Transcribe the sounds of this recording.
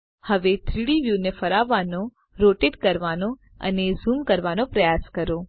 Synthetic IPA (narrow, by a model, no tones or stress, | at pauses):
həʋet̪ʰɾiɽiʋjunefəɾaʋano | ɾoʈeɖkəɾʋano | ə̰nezumkəɾʋanopɾəjaskəɾo